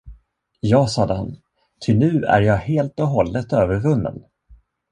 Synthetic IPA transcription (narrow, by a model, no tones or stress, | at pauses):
jɑːsɑd̪əha̰n | t̪ʰɪlnʉ̟ːæ̰ɾjɑːheːlt̪ɔɦɔlːət̪øːvəɾvɵnːə̰n